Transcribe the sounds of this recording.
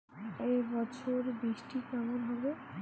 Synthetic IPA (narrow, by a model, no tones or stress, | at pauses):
ebɔt͡ɕʰoɾbiʃʈikamonɦɔbe